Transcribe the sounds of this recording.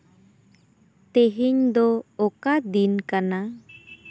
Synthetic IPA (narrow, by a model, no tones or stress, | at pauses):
t̪eɦiɲd̪ɔɔkad̪inkana